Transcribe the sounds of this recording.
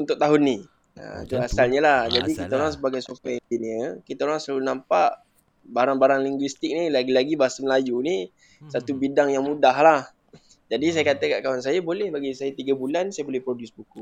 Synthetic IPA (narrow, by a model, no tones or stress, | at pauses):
unt̪ʊk̚t̪aɦʊnːi | ə̰t̪uasalɲəlahd͡ʒadikit̪aoɾaŋs̬əbaɡajsukaind͡ʒiniəkit̪aoɾaŋsaunampaʔ | baɾaŋbaɾaŋliŋɡwist̪ɪk̚nilaɡilaɡibaɦasaməlajuni | sat̪ubidaŋjaŋmudahlah | d͡ʒadis̬ajəkat̪əkaʔkawans̬ajabolɛhbaɡisajat̪iɡabulansajabolɛhpɾodusbuku